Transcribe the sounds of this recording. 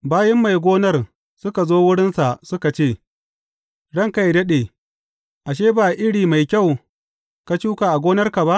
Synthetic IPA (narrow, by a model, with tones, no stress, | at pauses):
baː˦jɪ˦mːa˨jɡʷoː˦nɐ˦r | sʊ˦ka˨zoː˦wʊ˦ɽɪ˦nsa˨sʊ˦ka˨t͡ʃeː˦˨ | ɽɐ˦ŋka˦jdɐ˦ɗeː˨ | ʔa˨ʃ̬eː˦baː˨ʔɪ˦ɽiː˨ma˨jkʲa˦˨w | ka˨t͡ʃuː˦ka˨ʔa˨ɡʷoː˦nɐ˦rka˨ba˦ʔ